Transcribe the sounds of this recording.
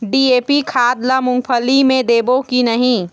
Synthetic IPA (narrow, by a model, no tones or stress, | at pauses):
ɖieːpikʰaːd̪ləmʊ̃ŋɡpʰəlimẽd̪ebokinəɦĩ